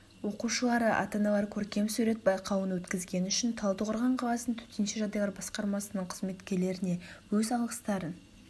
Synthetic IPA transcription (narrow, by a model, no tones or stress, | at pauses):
wo̞quʃəlˠɑɾəʔɑ̰t̪ɑnɑlˠɑɾkʲʰɵɾkʲe̞msʉɾe̞t̪̚bɑjqʰɑwənwɵt̪kʲɪzɡʲe̞nʏʃɪnt̪ʰɑlˠd̪əʁəɾʁɑɴqʰɑlˠɑsənt̪ʰɵ̥t̪enʃɪʒɑd̪ɑj̪ˠɑɾbɑsqɑɾmɑsənəɴqʰəzme̞t̪kʲe̞ɾle̞ɾɪne̞wɵzɑlˠqə̥st̪ɑɾən